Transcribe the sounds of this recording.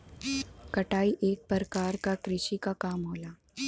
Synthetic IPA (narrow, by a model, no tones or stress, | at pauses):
kɐʈaːiʔeːk̚pəɾkaːɾkakɾɪʃikakaːmɦoːlaː